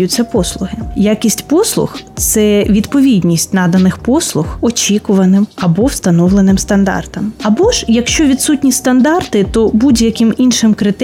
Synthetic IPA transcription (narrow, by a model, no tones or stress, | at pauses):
jʊtʲt͡sʲːɐpɔslˠʊɦɪjakʲisʲtʲpɔslˠʊ̰xt̪sɛʋʲid̪pɔʋʲidʲnʲisʲtʲnɑd̪ɐnɪxpɔslˠʊxɔt͡ʃʲikʊʋɐnɪmɐbɔwst̪ɐnɔʋlˠenɪmst̪ɐnd̪ɑ̰rt̪ɐmɐbɔʒ̥jɐkʃt͡ʃɔʋʲid̪sutʲnʲist̪ɐnd̪ɑrt̪ɪt̪ɔbudʲjɐkɪminʃɪmkɾɪt̪